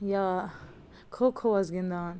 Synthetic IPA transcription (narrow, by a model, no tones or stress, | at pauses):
jaː | kʰokʰoɐzɡind̪aːn